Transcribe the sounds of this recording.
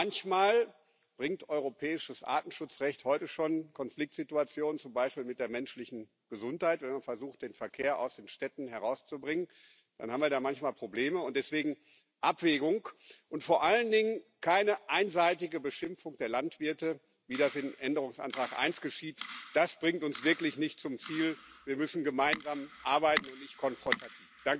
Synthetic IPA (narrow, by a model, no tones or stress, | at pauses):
ançmaːl | b̥ʁɪŋtʔɔʏʁopʰɛːɪʃəsʔa̰ːtn̩ʃʊt͡sʁɛçthɔʏtəʃoːnkʰɔnflɪk̚tz̥ɪtuat͡sjoːnnt͡sʊmbaɪʃpiːlmɪt̚d̥eːɐmɛnʃlɪçn̩ | ɡ̥əzʊnthaɪtv̥ɛnmanfɛɐzuːxt̚d̥eːnfɛɐkʰeːɐʔa̰ʊsd̥eːnʃtɛtn̩ɦɛʁaʊst͡subʁɪŋən | d̥a̰nhaːm̩viːɐdaːmançmaːlpʁ̥obleːməʊnt̚d̥ɛsv̥eːɡŋ̩ | ʔapv̥eːɡʊŋkʔʊntfoːɐʔaləndɪŋənkʰaɪnəʔaɪnzaɪtɪɡəbəʃɪmfʊŋd̥eːɐlantv̥ɪɐtə | viːɾasɪnʔɛndəʁ̞ʊŋsʔa̰ntʁ̥aːkʔa̰ɪnsɡ̥əʃiːtd̥asb̥ʁɪŋtʊnsv̥ɪɐklɪçnɪçtt͡sʊmt͡siːlviːɐmʏsn̩ɡəmaɪnzaːmʔaɐbaɪtn̩ʊntnɪçt̚kʰɔnfʁ̥ɔntatʰiːfd̥aŋk